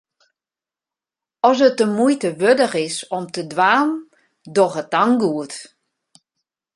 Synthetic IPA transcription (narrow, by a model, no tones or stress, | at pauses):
ɔsətəmujtəʋødəxɪsɔmtədʋaːn | dɔxətaŋɡuət